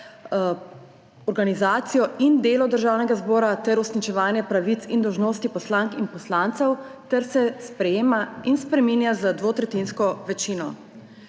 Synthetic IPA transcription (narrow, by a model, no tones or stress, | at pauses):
ɔɾɡanizaːt̪sijɔʔind̪eːlɔd̪əɾʒaːwnɛɡazbɔːɾat̪ɛɾɔsnit͡ʃɛʋaːnjɛpɾaʋit̪sind̪ɔwʒnoːst̪ipɔslaŋkinpɔslaːnt̪sɛwt̪ɛɾsɛspɾɛjeːmainspɾɛminjazəd̪ʋoːt̪ɾɛt̪inskɔʋɛt͡ʃiːnɔ